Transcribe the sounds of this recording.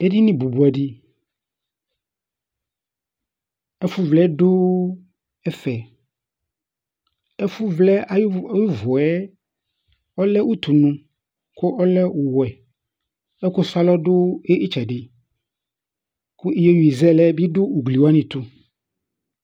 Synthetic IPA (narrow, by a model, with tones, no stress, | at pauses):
e˦ɖi˦nĩ˦bu˨bu˨a˨ɖi˦ | ɛ˦fu˦vlɛ˦ɖo˦ | ɛ˦fɛ˨ | ɛ˦fu˦vlɛ˦a˨˦˨ju˦vɔ˨ɛ˦ | ɔ˦lɛ˦wu˦t̪u˨nũ˦ | ko˦ʔɔ˦lɛ˦wo˨wɔ˨ɛ˨ | ɛ˦ko˦sa˦lɔ˦ɖo˦e˦ʔi˦t͡ʃɛ˨ɖi˦ | ku˦i˦jɔ˦ju˨i˨zɛ˦lɛ˦bi˦ɖo˦u˨ɡli˨wo˦a˦nĩ˨t̪u˦